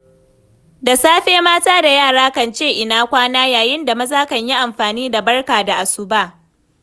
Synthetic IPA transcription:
da˨saː˦ɸeː˦maː˦taː˦da˨jaː˦˨ɽaː˦kɐ˨nt͡ʃeː˦˨ʔɪ˨naː˦kʷaː˦naː˦jaː˨jɪ˦nda˨mɐ˦zaː˦kɐ˨ɲji˦ʔa˨mɸaː˨niː˦da˨bɐ˦rkaː˨da˨ʔa˨su˦baː˦˨

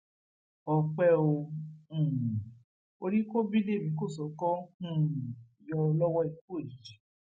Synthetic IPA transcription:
ɔ˧k͡pɛ˦õ˧˦˨ | o˧ɾi˦ko˦bi˦de˦˨mĩ˨˦ko˦˨sɔ˨˦kɔ̃˦ũ˦˨jɔ˧lɔ˦wɔ˦i˨ko˦˨i˨d͡ʒi˨

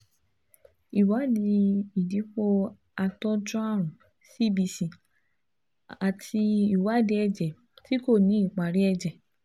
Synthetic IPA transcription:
i˨wa˨˦di˧i˨di˨˦ko˧ | a˧tɔ˦d͡ʒɔ̃˦a˦˨ɾ̃ũ˨ | si˦˨bi˧si˨ | a˨tʰi˧i˨wa˨˦de˧˦ɛ˧d͡ʒɛ˨ | ti˦ko˦˨nĩ˨˦i˦˨k͡pa˨ɾi˦ɛ˧d͡ʒɛ˨

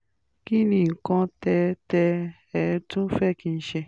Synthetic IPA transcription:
ki˦nĩ˧˨ŋ̩˨kɔ̃˧tɛ˧tɛ˧ | ɛ˨˦tũ˦fɛ˦˨kĩ˧n̩˦ʃɛ˧

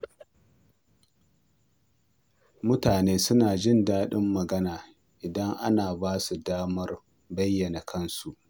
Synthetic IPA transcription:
mʊ˦taː˨neː˦sʊ˦naː˨d͡ʒɪ˦˨ndaː˦ɗɪ˦mːɐ˨ɡɐ˦naː˨ | ʔɪ˨dɐ˦ŋʔa̰˦naː˨baː˦su˨daː˦mɐ˦r | bɐ˦jːɐ˨na˨kʰɐ˦nsu˨ʔ

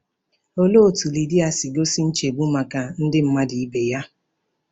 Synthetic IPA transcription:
o˦lo˦o˨tu˨li˨di˦a˨si˨ɡo˦si˦n̩˦t͡ʃe˨ɡ͡bu˦ma˨ka˨n̩˦dɪ˦m̩˦ma˦di˨i˦be˨ja˦

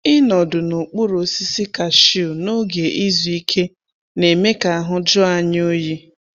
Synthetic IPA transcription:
ɪ˦nɔ˨dʊ˨no˨k͡pu˦ɾo˨si˦si˦ka˨ʃi˦ʊ˨no˦ɡe˨ʔi˦zu˨i˦kʰe˦ | ne˨me˦ka˨a˨ɦʊ˦d͡ʒʊ˦a˦ɲ˦o˦ji˦

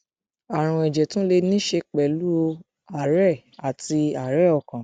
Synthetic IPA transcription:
a˨ɾ̃ũ˧ɛ˨d͡ʒɛ˨tũ˦le˧nĩ˦ʃe˧k͡pɛ˨lu˦o˧ | a˨ɾɛ˦˨ | a˨ti˧a˨ɾɛ˦ɔ˨kã˨

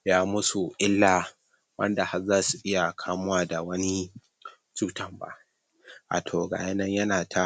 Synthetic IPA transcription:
jaː˦mʊ˦su˨ʔɪ˦lːaː˨ | wɐ̰˦nda˨ha˦zaː˦su˨ʔɪ˦ja˨kʰaː˦mʊ˦waː˦˨da˨wɐ˦ni˦ | t͡ʃuː˦tɐ˦˨mba̰˦ʔ | ʔa̰ː˨tʰoː˨ɡa̰ː˨ja˦nɐ˦ɲjɐ˦naː˨tʰa˦

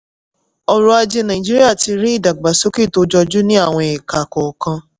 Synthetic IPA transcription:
ɔ˧ɾu˧a˧d͡ʒe˧nã˨ĩ˨d͡ʒi˦i˦a˦˨ti˧ɾĩ˦i˦˨da˨ɡ͡ba˨so˨˦ki˦˨to˨˦d͡ʒɔ˧d͡ʒu˦nĩ˦a˦˨w̃ɔ̃˧e˨ka˨kɔ˨kã˧

